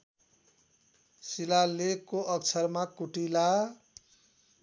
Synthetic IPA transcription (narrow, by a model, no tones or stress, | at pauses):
silalekoʌkt͡sʰʌrmakuʈila